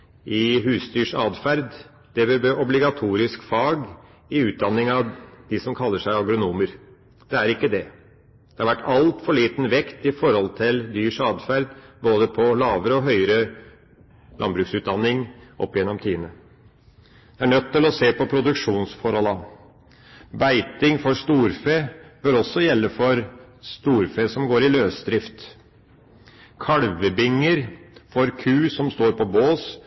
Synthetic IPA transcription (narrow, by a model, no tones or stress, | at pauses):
ʔɪɦʉːsd̪yːʂɑːd̪fæɾd̪ | d̪̥ɛbɛbøʔɔblɪɡɑt̪ʰuːɾɪskfɑːɡ | ɪʉːt̪̚d̪ɑnːɪŋɑʋd̪̥ɪsɔmkʰɑlːəʂæɪɑɡɾʊnuːməɾ | d̪̥ɛæɾɪkːəd̪ɛ | d̪̥ɛhɑɾʋæʈːɑlt̪fɔɭiːt̪n̩ʋɛkt̪ɪfɔɾhɔlt̪ʰɪld̪yːʂɑːd̪fæɾd̪boːd̪əpʰɔlɑːʋəɾəɔɦœʏəɾə | lʔɑnbɾʉksʉːt̪d̪ɑnːɪŋʔɔ̰pːjɛnːɔmt̪ʰiːnə | d̪̥ɛæɳœt̪ːɪlɔseːpɔpʰɾʊd̪ʉkʂuːnsfɔɾhɔlɑ | bæɪt̪ɪŋfɔɾst̪uːɾfeːb̥œɾɔsːɔjɛlːəfɔɾst̪uːɾfeːsɔmɡoːɾɪløːsd̪ɾɪft̪ | kʰɑɽʋəbɪŋːəɾfɔɾkʰʉːsɔmst̪oːɾpʰɔboːs